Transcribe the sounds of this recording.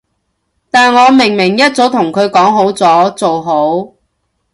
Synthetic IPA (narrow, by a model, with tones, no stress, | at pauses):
t̪aː˨nŋɔː˨˧mɪ˨˩ŋmɪ˨˩ŋjɐ˥t̚t͡so˨˥wt̪ʰʊ˨˩ŋkʰɵ˨˧ɥkɔː˨˥ŋɦo˨˥wt͡sɔː˨˥t͡so˨wɦo˨˥w